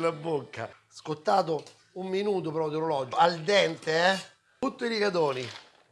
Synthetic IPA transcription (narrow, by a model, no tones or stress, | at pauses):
labːokːa̰skot̪ːaːt̪̬o | umːinuːt̪opɾɔd̪oɾolɔːd͡ʒoald̪ɛnt̪eɛ | ut̪ːoilikad̪oːni